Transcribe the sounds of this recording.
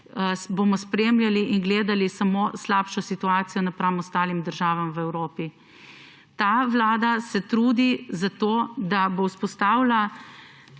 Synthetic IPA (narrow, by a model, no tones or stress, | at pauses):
boːmɔspɾeːmljaliʔinɡleːd̪alisamoːslaːpʃɔsit̪uaːt̪sijɔnapɾamɔst̪aːlimd̪əɾʒaːʋamʋɛwɾoːpi | t̪aːʋlaːd̪asɛt̪ɾuːd̪izat̪oːd̪abowspɔst̪aːwla